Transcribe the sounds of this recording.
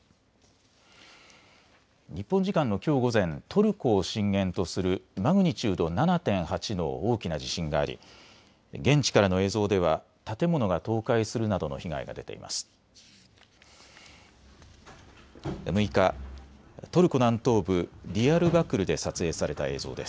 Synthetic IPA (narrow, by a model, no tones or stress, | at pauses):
ɲ̟ipːõɲ̟d͡ʑikãnːo̞kʲo̞ːɡo̞zẽ̞nt̪ʰo̞ɾɯ̟ko̞ːɕĩŋɡẽ̞nt̪o̞sɨɾɯ̟maɡɯ̟ɲ̟it͡ɕɨːd̪o̞nanat̪ẽ̞ɰ̃hat͡ɕino̞̰oːkʲinaʑiɕĩŋɡa̰ːɾʲḭ | ɡẽ̞ɲ̟t͡ɕi̥kaɾano̞e̞ːzo̞ːd̪e̞β̞a | t̪at̪e̞mo̞no̞ɡat̪o̞ːkaisɨɾɯ̟nad̪o̞no̞̰çiɡa̰ḭɡa̰d̪e̞t̪e̞̰ḭma̰sɨ̥ | mɯ̟ika | t̪o̞ɾɯ̟ko̞nãnt̪o̞ːbɯ̟ɾʲiaɾɯ̟bakɯ̟ɾɯ̟d̪e̞sat͡sɨe̞ːsaɾe̞t̪ae̞̰ːzo̞̰ːd̪e̞sɨ̥